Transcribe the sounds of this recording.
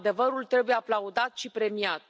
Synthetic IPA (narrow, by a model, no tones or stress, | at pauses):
d̪e̞vəɾult̪ɾe̞buje̞aplaud̪at̪ʃipɾe̞miat̪